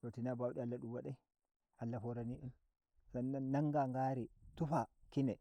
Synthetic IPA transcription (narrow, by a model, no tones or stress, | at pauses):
totinabawɗialːaɗumwaɗaj | alːafɔɾaniʔin | sanːanːaŋɡaŋɡaɾitufakinɛ